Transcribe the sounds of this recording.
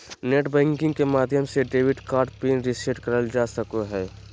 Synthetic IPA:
neːʈbɛ̃ːŋkɪ̃ŋɡkemaːd̪ʱjəmseɖeːʋɪɖkaːɾɖ̚piːnɾɪseʈkəɾəld͡ʒaːsəkoɦɛː

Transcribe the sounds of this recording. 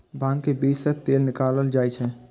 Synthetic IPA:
bʱãːŋkebiːd͡ʒset̪eːlnɪkaːləld͡ʒaːjt͡ʃʰɛ̃

